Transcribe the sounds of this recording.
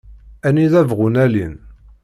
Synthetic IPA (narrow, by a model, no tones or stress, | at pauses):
æniðævʁʊnælḭn